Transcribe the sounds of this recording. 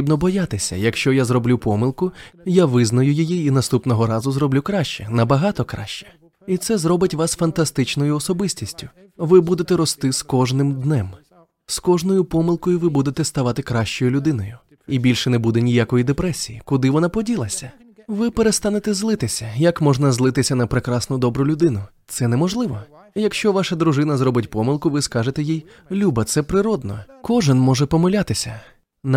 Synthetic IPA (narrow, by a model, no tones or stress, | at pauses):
tɾibnɔbɔjat̪ɪsʲɐ̰jɐkʃt͡ʃɔjazrɔblʲupɔmɪlˠkʊjaʋɪznɔjʊjɔjiinɐst̪upnɔɦɔɾɑzʊzɾɔblʲukɾɑʃt͡ʃɛnɐbɐɦɑt̪ɔkɾɑ̰ʃt͡ʃɛ̥ | it̪sɛzrɔbɪtʲʋɑsfɐnt̪ɐst̪ɪt͡ʃnɔjʊɔsɔbɪsʲtʲisʲtʲʊ̥ | ʋɪbud̪et̪ɛɾɔst̪ɪskɔʒnɪmd̪nɛm | skɔʒnɔjʊpɔmɪlˠkɔjʊʋɪbud̪et̪ɛst̪ɐʋɑt̪ɪkɾɑʃt͡ʃɔjʊlʲʊd̪ɪnɔjʊ | ibʲilʲʃɛnɛbud̪ɛnʲijakɔjid̪epɾɛsʲijikʊd̪ɪʋɔnapɔdʲilˠɐsʲɐ | ʋɪpeɾest̪ɑnet̪ɛzlˠɪt̪ɪsʲɐjɐkmɔʒnɐzlˠɪt̪ɪsʲɐnɐpɾɪkɾɑsnʊd̪ɔbɾʊlʲʊd̪ɪnʊt̪sɛnɛmɔʒlˠɪʋɔ | jɐkʃt͡ʃɔʋɑʃɐd̪ɾʊʒɪn̪ɐzɾɔbɪtʲpɔmɪlˠkʊʋɪskɑʐet̪ɛjij | lʲubɐt̪sɛpɾɪɾɔd̪̚nɔkɔʒɪnmɔʒɛpɔmelʲat̪ɪsʲɐ | n